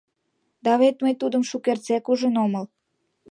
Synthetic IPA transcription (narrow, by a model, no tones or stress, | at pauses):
d̪ɑβet̪məjt̪ud̪ə̆mʃukert͡sekuʒənoməl